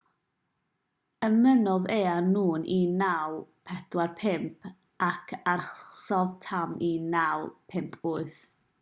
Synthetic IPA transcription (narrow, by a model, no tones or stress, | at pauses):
əmənɔðeːanuːnʔinawpʰɛd̥warpʰɪmpʰ | akʰarχsɔðtʰaminawpʰɪmpʰʊːɨθ